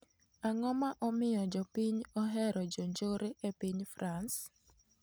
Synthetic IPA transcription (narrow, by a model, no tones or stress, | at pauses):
aŋɔmaʔɔmɪjɔd͡ʒɔpiɲɔɦɛɾɔd͡ʒoɲd͡ʒoɾeʔepiɲfɾans